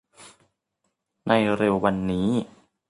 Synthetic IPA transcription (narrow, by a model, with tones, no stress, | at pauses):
na˧jɾe˧wwa˧nːiː˦˥